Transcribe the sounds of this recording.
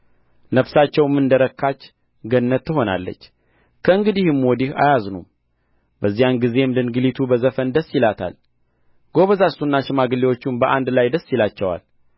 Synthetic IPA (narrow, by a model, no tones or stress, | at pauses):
nəfsat͡ʃːɛwmːɨnd̪əɾəkʰːat͡ʃː | ɡənːət̪ːɨɦo̞na̰lːə̰t͡ʃː | kʰəɨŋɡɨd̪ihɨmwɔd̪iha̰jaznṵm | bəzːijanɡize̞md̪ɨnɡɨlit̪ʰubəzəfənd̪əsːjɪlat̪ʰa̰l | ɡ̥o̞βəzasunːaʃɪmaɡɨlːiwo̞t͡ʃːɪmbəʔa̰nd̪lajd̪əsːjilat͡ʃːɛwa̰l